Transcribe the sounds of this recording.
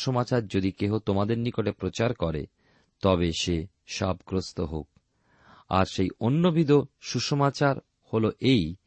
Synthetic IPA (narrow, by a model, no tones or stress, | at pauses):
ʃomat͡ɕaɾd͡ʑod̪ikeɦot̪omad̪eɾnikoʈepɾot͡ɕaɾkɔɾḛ | t̪ɔbeʃe | ʃabkɾost̪oɦok̚ | a̰ɾʃejonːobʱid̪oʃuʃomat͡ɕaɾ | holoʔej